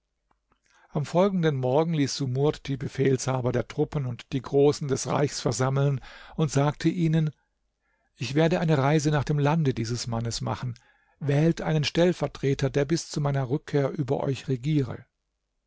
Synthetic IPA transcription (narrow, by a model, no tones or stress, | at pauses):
ʔamfɔlɡŋ̩dənmɔɐɡŋ̩liːsz̥umʊɐtd̥iːbəfeːlshaːbɐdeːɐtʁ̥ʊpənʊntd̥iːɡʁoːsn̩dɛsʁa̰ɪçsfɛɐzaml̩nʊntz̥aːktʰəʔiːnən | ʔɪçv̥eːɐɾəʔaɪnəʁaɪzənaːχd̥eːmlandədiːzəsmanəsma̰χn̩ | vɛːltʔaɪnənʃtɛlfɛɐtʁ̥eːtɐdeːɐbɪst͡sumaɪnɐʁʏkʰːeːɐʔyːbɐ̰ʔɔ̰ʏçʁeɡiːʁə̰